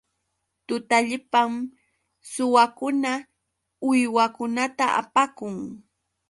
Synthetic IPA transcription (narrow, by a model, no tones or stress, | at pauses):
t̪ʊt̪aʎɪpam | sʊwakʊna | ʊjwakʊnat̪aʔa̰pakʊŋ